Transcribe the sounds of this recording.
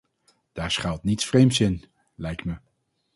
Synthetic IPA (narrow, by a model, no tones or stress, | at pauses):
d̥aːɹsχalˠtnitsfrejmtsɪn | lɛjk̚tmə